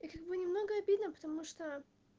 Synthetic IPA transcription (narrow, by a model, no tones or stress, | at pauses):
ikaɡ̚bɨnʲɪmno̞ɡəɐbʲid̪nəpə̥t̪ɐmuʂt̪o